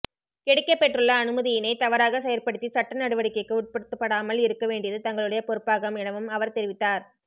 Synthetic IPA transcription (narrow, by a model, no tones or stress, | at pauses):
kɛɽɪkːɐpːɛʈrɯɭːɐːnɯmɐðɪjɪnɐɪt̪ɐʋɐɾaːɣɐsɛjɐɾpɐɽɯt̪ːisɐʈːɐnɐɽɯʋɐɽɪkːɐɪkːɯʊʈ̚pɐɽɯt̪ːɯpːɐɽaːmɐlɪɾɯkːɐʋeːɳɖɪjɐðɯt̪ɐŋɡɐɭɯɽɐjɐpɔɾɯpːaːɣɐmɪnɐʋɯmɐʋɐɾt̪ɛɾɪʋɪt̪ːaːɾ